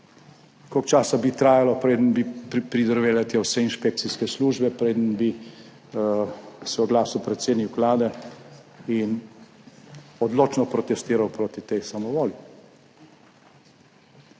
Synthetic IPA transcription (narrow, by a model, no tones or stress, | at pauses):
kɔkt͡ʃaːsabit̪ɾaːjalɔpɾeːd̪ənbipɾid̪əɾʋeːlat̪jɛwsɛinʃpek̚t̪siskɛsluːʒbɛpɾeːd̪ənbi | sɛɔɡlaːsɔpɾɛt̪sjeːd̪niwklaːd̪ɛ | in | ɔd̪loːt͡ʃnɔpɾɔt̪ɛst̪iːɾawpɾoːt̪it̪ɛjsamɔʋoːli